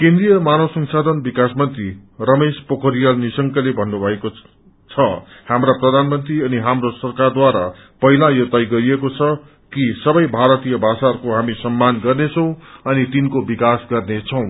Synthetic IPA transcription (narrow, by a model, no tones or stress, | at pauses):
kẽnd̪rijʌmanosʌŋsad̪ʱʌnbikasmʌnt̪rirʌmespʌkʰʌɾijalnisʌŋkʌlebʱʌnːubʱʌeko | t͡sʰʌhamraprʌd̪ʱanmʌnt̪riʌniɦamrosʌrkard̪waɾa | pʌɦilajʌt̪ajɡʌɾiekot͡sʰʌ | kisʌbʌjbʱaɾʌt̪ijʌbʱasarkoɦamisʌmːanɡʌrnet͡sʰʌw̃ʌnit̪inkobikasɡʌrnet͡sʰʌw̃